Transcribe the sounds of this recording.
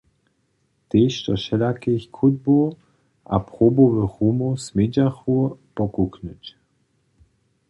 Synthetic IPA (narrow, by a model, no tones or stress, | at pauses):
t̪eːʃt̪ɔʃɛlakexkʰud̪̚bo | ʔa̰pʁoboʋəxumosmed͡ʒaxupɔkuknut͡ɕ